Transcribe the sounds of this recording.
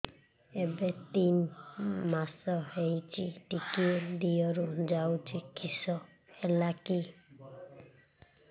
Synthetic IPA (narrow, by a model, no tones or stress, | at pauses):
ebet̪inmasɔɦeɦit͡ʃʰiʈikied̪ijɔɾud͡ʒawt͡ʃʰikʰisɔ | elaki